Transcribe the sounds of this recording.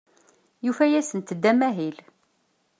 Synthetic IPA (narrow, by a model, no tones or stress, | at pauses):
jufæjæsənt̪əd̪ːæmæɦil